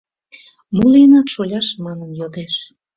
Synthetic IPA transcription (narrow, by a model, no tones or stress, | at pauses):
muliənɑt̪ʃolʲɑʃmɑnənjod̪eʃ